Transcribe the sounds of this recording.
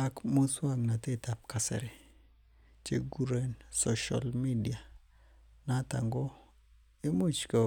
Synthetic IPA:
a˦kmu˦swa˦ŋna˨te˦ta˨p̚ka˨sɛ̰˨ɾe˨ | t͡ʃe˨ɡu˦ɾe˦˨nso˨ʃa̰˨lmi˦di˨a˨ | na˦ta̰˨ŋɡo˦ | i˦mo˦t͡ʃka˨

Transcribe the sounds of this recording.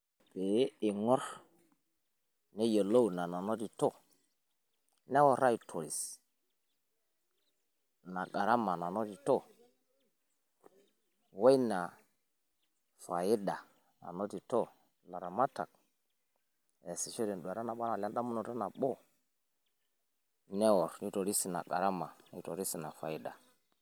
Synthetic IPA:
be˨˦i˨ŋɔ˦ɾ | ne˦jo˨lo˦wna˨na˨no˦ti˨to˦˨ | ne˦wo˨ɾa˦i˨tʰo˨ɾi˨s | na˨ɡa˨ɾa˦ma˨na˨no˦ti˨to˦˨ | we˦jna˨ | fa˨ji˦da˨ | na̰˨no˦ti˨to˦ | la˨ɾa˨ma˦ta̰˨k̚ | e˨si˨ʃe˦ɾi˨nɗu˨a˨ɾa˦na˨ɓa˦na˨la˦da˦mu˦no˨ta˦na˨ɓo˦ | nɛ˦wɔ˨ɾni˦to˨ɾi˦si˨na̰˨ɡa˨ɾa˦ma˨i˨to˨ɾi˦si˨na˨fa˨i˦da˨

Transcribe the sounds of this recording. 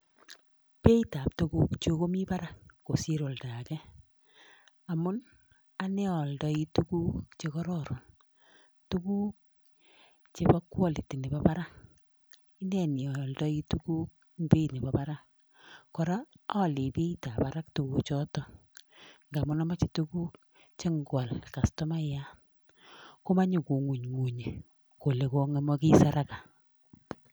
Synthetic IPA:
pe˦i˦ta˨p̚tu˦ku˦kt͡ʃo˦ko˦mi˦pa˦ɾakːo̰˨si˦ɾo˨lta˨kɛ˦ | a˨mʊ˦n | a˦ne˦ɔ˨ldɔ˦i˦tukuː˦kt͡ʃe˧kɔ˦ɾɔ˦ɾo˨n | tu˦kuː˦k̚ | t͡ʃepa˦kwɔ˦li˨ti˨ne˨pa˦pa˦ɾa˦k | i˦nɛ˨ni˨ɔ˨ldɔ˦i˦tu˦ku˦k̚ | mbe˦ne˨pa˨pa˦ɾa˦ | kɔ˨ɾa˦ | ɔ˦le˨pi˦ta˨pa˦ɾa˦ktu˨ku˦t͡ʃɔ˦tɔ˨ | ŋɡa˨mʊ˦na˦ma˦t͡ʃi˨tu˦ku˦k̚ | t͡ʃe˦ŋɡwa˨lka˨stɔ˦ma˦ja˦ | ko˦ma˦ɲu˨ko˨ŋu˨ɲŋu˨ɲe˨ | ko˨le˨ko˦ŋe˦mɔ˦ki˦sa˦ɾa˦ka˨

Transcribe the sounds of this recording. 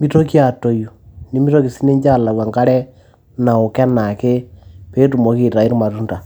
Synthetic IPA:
mi˦to˦ki˦a˨to˨ju˨ni˨˦mi˦to˦ki˨si˦ne˦ɲd͡ʒa˦˨la˨wa˨ŋka˦ɾɛ˦ | na˨ʊ˨kɛ˦na˨ke˦pe˦t̬u˨mɔ˨˦ki˦˨ta˨i˦ɾma˨tu˦nta˨

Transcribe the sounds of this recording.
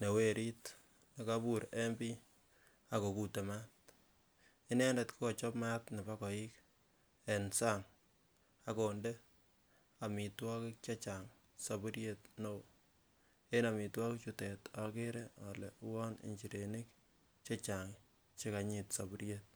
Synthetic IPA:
ne˨we˦ɾi˦t | ne˨kabuɾe˦mbi˦ | a˨ko˨ku˨te˨ma˦t | i˦nɛ˦ndɛ˨tkɔ˨t͡ʃɔ˦pma˦tne˨pakɔ˨i˦k | ɛ˨nsaŋ | a˦ko˨nde˦ | a˨mi˨twɔ˦kɪ˦k̚t͡ʃa˦t͡ʃaŋ | sa˨bu˦ɾjetno˨w | e˦na˨mi˨twɔ˦kɪkt͡ʃutɛ˨tɔ˨ke˦ɾeɔ˨lḛ˨u˦wɔ˦nḭ˨ɲt͡ʃi˨ɾeni˦k | t͡ʃe˦t͡ʃa˨ŋ | t͡ʃe˦ka˨ɲi˨tsabu˦ɾjet̚

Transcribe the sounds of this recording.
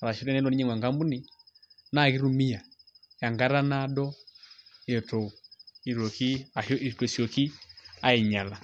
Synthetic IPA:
a˨ɾa˨ʃi˦ɾɛ˦nɛ˦lɔ˨niɲɛ˦ŋwa˨ŋɡa˦mbu˦ni˨ | na˦˨ɣi˦ɾu˨mi˦a˨ | ja˨ŋɡa˦ɾa˦na˦dɔ˦ | jɛ˨tɔ˨u˨i˨ɾɔ˨ki˦a˨ɔ˦ʔi˨kɛ˨sɔ˨ki˦a˦ɛ˨ɲa˨la˨

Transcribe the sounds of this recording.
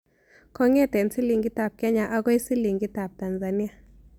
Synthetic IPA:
kɔ˦ŋɛ˦˨tɛ˨nsi˦li˨ŋɡi˦ta˨p̚kɛ˦ɲa˨ʔa˦ɡɔ˦jsi˦li˨ŋɡi˦ta˨p̚ta˨nza˨ni˦a˨

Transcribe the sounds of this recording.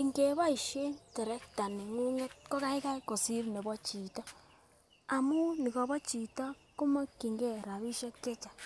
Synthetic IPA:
i˨ŋɡe˨βa˦i˨ʃe˦nte˨ɾe˦kta˨ni˨ŋu˦ɲe˦tko˦ɣa˦i˦ka˦i˦ko˨si˦ɾi˨ne˨βo˦t͡ʃi˨to˦ | a˨mu˦ni˨ɣo˨βo˦t͡ʃi˨ta˦ | ko˦mo˦ki˨ŋɡe˦˨ɾa˨βi˦ʃe˦t͡ʃe˦t͡ʃḁ˨

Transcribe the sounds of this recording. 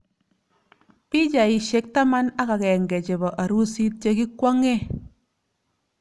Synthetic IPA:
pi˦d͡ʒa˨i˨ʃe˨k̚ta˦ma˦na˦ka˨kɛ˨ŋɡe˨t͡ʃe˨bɔ˨ʔa˨ɾu˦si˦t̚t͡ʃe˦ki˦kwa˦ŋe˦

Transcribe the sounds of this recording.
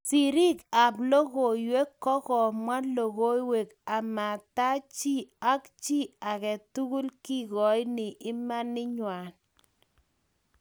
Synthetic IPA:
si˨ɾi˦ka˨blo˦ɣo˨jwe˦kːɔ˦kɔ˨mwa˦lo˨ɣo˦i˦we˨ka˨ma˨ta˦t͡ʃi˦˨a˦kt͡ʃi˦a˨kɛ˨tu˦ɣu˦lki˦ɡɔ˨˦jnɪ˨ʔɪ˦ma˦nːɪ˦ɲwa˨n

